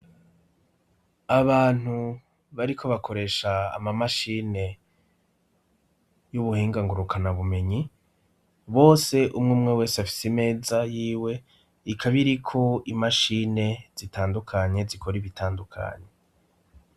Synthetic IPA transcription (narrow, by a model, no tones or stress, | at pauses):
aβaːn̥hu | βaɾikʰo̞βakʰo̞ɾe̞ːʃa̰ːmamaʃiːne̞ | juβuhiːŋɡaŋɡuɾukʰanaβume̞ɲi | βo̞ːse̞ʔumŋuumŋewe̞ːseafi̥sime̞ːzajiːwe̞ | ikʰaβiɾikʰo̞imaʃine̞z̥itaːndukʰaɲe̞zikʰo̞ɾiβitaːndukʰa̰ɲe̞